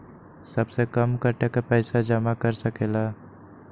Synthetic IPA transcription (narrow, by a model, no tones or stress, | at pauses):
sɐbsekəmkəɾʈekapɛːsad͡ʒəmakəɾsəkeːlaː